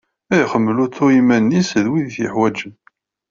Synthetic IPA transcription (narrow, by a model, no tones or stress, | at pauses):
æjχəmːlut͡sːʊimːænːisəðwiðθjəħwæd͡ʒən